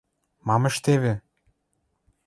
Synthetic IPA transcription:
mɑmĕʃt̪eβĕ

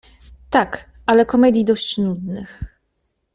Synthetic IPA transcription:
t̪ak | ʔalɛkɔmɛd̪ʲjid̪ɔɕt͡ɕnud̪nɘx

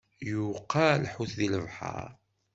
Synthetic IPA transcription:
juqʰːalħuθðiləvħɑ̰ɾˤ

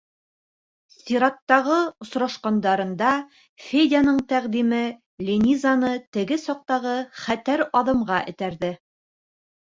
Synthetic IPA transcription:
sʲiɾɑt̪ːɑʁɤŏsɾɑʃqɑnd̪ɑɾɤ̆nd̪ɑ | fʲed̪ʲanɤɴt̪æʁd̪imɘ | lʲenʲizanɤt̪ɘ̆ɡɘsɒq̚t̪ɑʁɤχæt̪æɾɑðɤ̆mʁɑʔɘ̆t̪æɾðɘ

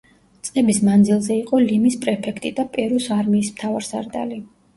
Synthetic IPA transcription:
t̪sʼqʼɛbismand̪zilˠzɛiqʼɔlimispʼɾɛpʰɛkʰt̪ʼid̪apʼɛɾusaɾmiːsmt̪ʰavaɾsa̰ɾd̪a̰li

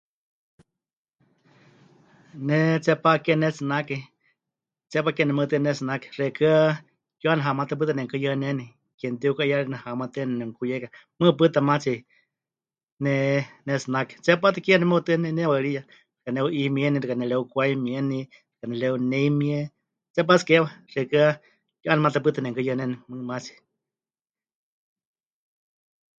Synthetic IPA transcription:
nɛt͡sɛpaʔkɛnɛsɨnakɛ | t͡sɛpakɛnɛmət̪ɨnɛsɨnakɛ̥rɛkɨa | kjuanɦamat̪ɨp̬ɨt̪anɛŋkɨjanɛni | kɛnt̪iukaʔjaɺinahamat̪ɛnɛnɛŋkujeka | mɨp̬ɨt̪amat͡si | nɛnɛsɨnakɛ̥t͡sɛpat̪ɨkianɛmot̪ɨnɛnɛwaɺija | r̥kaneuʔimieniɾɨkanɛleukʷajmjeni | ɾɨ̥kanɛleuneimie | t͡sɛp̬at͡si̥kewaʂekɨa | juʔanmat̪ap̬ɨt̪anɛŋkɨjənenimɨmat͡si̥

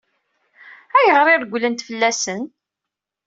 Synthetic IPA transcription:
æjəʁɾɪɾɡʷlənt̪fəlːæsən

